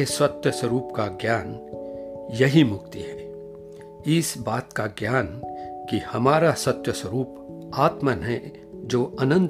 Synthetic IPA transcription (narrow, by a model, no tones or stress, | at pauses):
esɐt̪jəsəɾuːpkaɡjaːn | jɐɦimʊɡt̪iɦɛ̃ː | ɪsbaːt̪kaɡjaːnkihɐmaːɾasɐt̪jəswəɾuːp | aːt̪mənɦɛ̃ | d͡ʒoːɐnə̃nt̪